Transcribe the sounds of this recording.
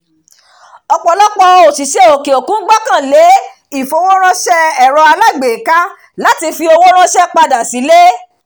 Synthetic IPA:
ɔ˧k͡pɔ˧lɔ˦k͡pɔ˧o˨si˨ʃe˨˦o˨ke˨o˨kũ˦ɡ͡ba˦kã˦˨le˨˦ | i˦˨fo˨˧˦wo˦ɾ̃ã˦ʃɛ˦ɛ˦˨ɾɔ˧a˧la˦˨ɡ͡be˨ka˦ | la˦ti˧fi˧o˧wo˦ɾ̃ã˦ʃɛ˦k͡pa˧da˨si˨˦le˦

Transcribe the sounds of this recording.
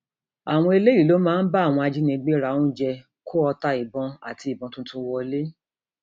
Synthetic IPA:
a˨w̃ɔ̃˧e˧le˦i˦˨lo˨˦mãː˦n̩˦ba˦˨w̃ɔ̃˧a˧d͡ʒi˦nĩ˧ɡ͡be˦ɾa˧˦˨ũ˦d͡ʒɛ˧ | ko˦ɔ˧ta˧i˨bɔ̃˧a̰˨ti˧˨bɔ̃˧tũ˦tũ˦wɔ˧le˦

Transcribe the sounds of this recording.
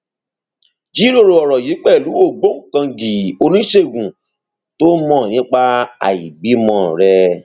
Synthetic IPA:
d͡ʒi˨˦ɾo˦˨ɾo˧ɔ˨ɾɔ˨ji˨˦k͡pɛ˦˨lu˨˦o˦˨ɡ͡bo˦ŋ̩˨kã˧ɡi˨o˧nĩ˦ʃe˦˨ɡũ˨ | to˦mɔ̃˦˨nĩ˨˦k͡pa˦a̰˨jḭ˨bi˨˦mɔ̃˧˦˨ɾɛ˧

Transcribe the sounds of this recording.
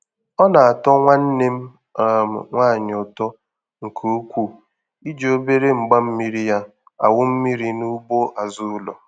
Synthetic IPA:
ɔ˦na˨a˨tɔ˦ŋʷa˦n̩˦ne˦m̩˦˨ | m̩˨ŋʷaː˦˨ɲ˨ʊ˨tɔ˦ | ŋ̩˨kʰo˨˦kʷu˦ | i˦d͡ʒe˦o˦be˦ɾe˦ŋ͡m̩˨ɡ͡ba˦m̩˦mi˦ɾi˦ja˦ | a̰˨wʊ˦m̩˦mi˦ɾi˦nu˦bo˦ʔa˨zʊ˦ʊ˦lɔ̰˨

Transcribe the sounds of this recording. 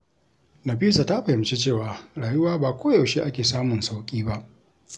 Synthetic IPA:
nɐ˨ɸiː˦sa˨ta˦ɸɐ˨hɪ˨mt͡ʃe˦t͡ʃeː˦˨waː˨ɽaː˨jʊ˦waː˦baː˨kʷʰoː˦ja˨wʃe˦ʔa˦kʲeː˨saː˦mʊ˨nsa˦wkʲʼiː˦ba˦ʔ

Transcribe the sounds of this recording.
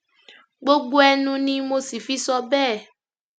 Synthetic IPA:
ɡ͡bo˦ɡ͡bo˦ɛ˧nũ˧nĩ˦mo˦si˨fi˦sɔ˦bɛː˦˨

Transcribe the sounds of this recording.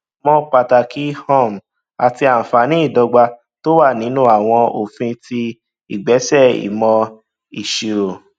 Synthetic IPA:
mɔ̃˦k͡pa˧ta˧˨ki˦hɔ̃˦˨m˨ | a˨ti˧a˨fa˨nĩ˨˦i˦˨dɔ˧ɡ͡ba˧ | to˦wa˦˨nĩ˨˦nũ˦a˨w̃ɔ̃˧o˨fĩ˧tʰi˧ | i˨ɡ͡bɛ˨˦sɛ˦˨ḭ˨mɔ̃˧ | i˨ʃi˨ɾo˨

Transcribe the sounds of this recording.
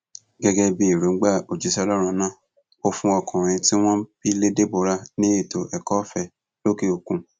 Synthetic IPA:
ɡɛ˧ɡɛ˧bi˦i˨ɾu˨ŋ̩˦ɡ͡ba˦˨o˨d͡ʒi˨˦sɛ˦˧ɔ˧lɔ˦ɾ̃ũ˧nãː˦˨ | o˧fũ˧ɔ˧kɔ̃˨ɾ̃ĩ˧ti˦w̃ɔ̃˦bi˦le˦de˦bo˧ɾa˧nĩ˦i˦˨to˨ʔɛ˨kɔ˦fɛ˧˨ | lo˦ki˦o˨kũ˧

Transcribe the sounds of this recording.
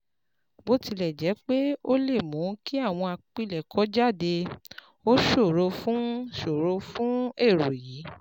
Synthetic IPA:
bo˦ti˧lɛ˨d͡ʒɛ˨˦k͡pe˦o˦le˦˨mũ˨˦ki˦a˦˨w̃ɔ̃˧a˨k͡pi˦˨lɛ˨kʰɔ˨˦d͡ʒa˦˨de˧ | o˦ʃo˦˨ɾo˧fũ˦ʃo˨ɾo˧fũ˦e˦˨ɾo˨jiː˨˦

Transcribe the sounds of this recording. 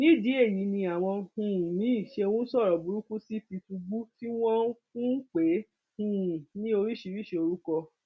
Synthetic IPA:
nĩ˦˨di˨˦e˦˨ji˨˦nĩ˧a˨w̃ɔ̃˧hũ˨nĩ˨˦˨ʃe˧wũ˦sɔ˦˨ɾɔ˨bu˨˦ɾu˦kũ˦si˦ti˧tũ˧ɡ͡bu˦ti˦w̃ɔ̃˦kũ˦k͡pe˨˦ | hũ˨nĩ˦o˧ɾi˦ʃi˧ɾi˦˨ʃe˧o˧ɾu˦kɔ˧

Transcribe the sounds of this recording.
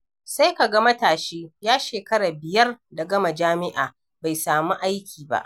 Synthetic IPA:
sa˦jka˨ɡɐ˦mɐ˦taː˨ʃeː˦jaː˦ʃeː˨kɐ˦ɽaː˨bɪ˨jɐ˦rda˨ɡɐ˦ma˨d͡ʒaː˦mɪ˦ʔa̰ː˨ | ba˨jsaː˨mu˦ʔa˦jkʲiː˨ba̰˦˨ʔ

